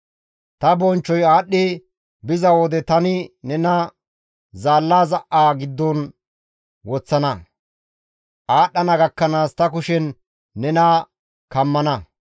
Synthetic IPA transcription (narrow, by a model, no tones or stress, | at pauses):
t̪ɐbɔnt͡ʃːɔjaːɗːɪ | bɪzɐwɔd̪ɛt̪ɐnɪnɛnɐ | zaːlːaːzɐʔaːɡɪd̪ːɔn | wɔt͡sːɐnɐ | ʔaːɗːɐnɐɡɐkːɐnaːst̪ɐkʊʃɛnː | ɛna | kɐmːɐnɐ